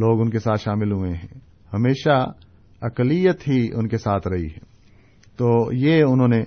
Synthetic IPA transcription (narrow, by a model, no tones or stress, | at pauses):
loːɡʊnkesaːt̪ʃaːmɪlɦʊẽɦɛ̃ː | hɐmeːʃa | ɐklijət̪ɦiʊnkesaːt̪ʰɾɐɦḭɦɛː | t̪oːjeʊnɦõːne